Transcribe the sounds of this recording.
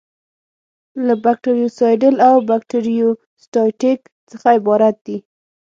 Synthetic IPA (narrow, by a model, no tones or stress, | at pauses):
labak̚ʈiɾijosɑjɖəlawbakʈiɾijo | sʈɑjʈɪk | t͡səxaɪbɑɾat̪̚d̪̥i